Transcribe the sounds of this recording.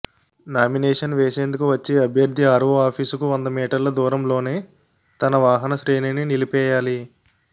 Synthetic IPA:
naːminɛːʂɐnʋeːʃeːnd̪ukuʋɐt͡ʃːiɐbʱjɐɾd̪ʱiaːɾʋuaːpʰiːsukuʋɐnd̪ɐmiːʈɐɾlɐd̪uːɾɐmlo̞ːne̞ː | t̪ɐnɐʋaːɦɐnɐʃɾeːnininilipɛːjaːli

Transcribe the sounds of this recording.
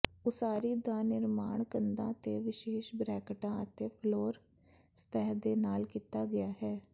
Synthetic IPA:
ʊsaːɾiːd̪aːnɪɾmaːɳkənd̪ãːt̪ḛːʋɪʃeːʃbɾɛːkʈãːət̪eːpʰloːɾ | st̪ɛːd̪eːnaːlkiːt̪aːɡɪjaːɦɛː

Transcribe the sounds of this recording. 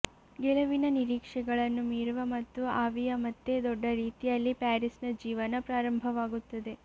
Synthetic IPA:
ɡɛlɐʋinɐniɾiːkʂɛɡɐɭɐnːumiːɾuʋɐmɐt̪ːuaːʋijɐmɐt̪ːe̞d̪ɔɖːɐɾiːt̪ijɐlːipaːɾisnɐd͡ʒiːʋɐnɐpɾaːɾɐmbʱɐʋaːɡut̪ːɐd̪e

